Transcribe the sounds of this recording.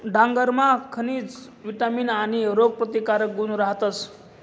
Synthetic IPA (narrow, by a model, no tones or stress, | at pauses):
ɖaŋɡəɾmakʰəniːt͡s | ʋiʈamiːnaɽ̃iɾoɡ̚pɾət̪ikaɾək̚ɡunɾaɦt̪əs